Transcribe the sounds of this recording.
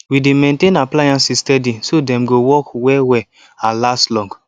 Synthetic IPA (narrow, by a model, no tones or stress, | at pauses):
widemẽntẽnaplajãnsistɛdisodɛ̃mɡowɔkwɛwɛ | ãlastlɔ̃ŋɡ